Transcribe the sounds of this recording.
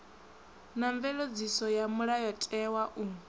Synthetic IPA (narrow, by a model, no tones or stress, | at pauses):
naɱvɛlod͡zisɔjamuɺajɔtʼɛwaʔu